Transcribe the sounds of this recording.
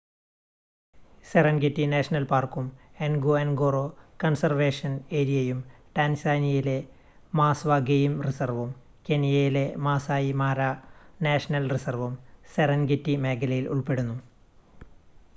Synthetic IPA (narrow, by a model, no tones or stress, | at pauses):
serɐnɡitːineːʂɐnɐlpaːrkumenɡoenɡoːrokɐnsɐrʋeːʂɐne̞ːɾijɐjumʈaːnsaːnijile̞ | maːsʋɐɡejimrisɐrʋum | kenijɐjile̞maːsaːjimaːɾaneːʂɐnɐlrisɐrʋumserɐnɡitːime̞ːkʰɐlɐjilṵɭpe̞ɽunːu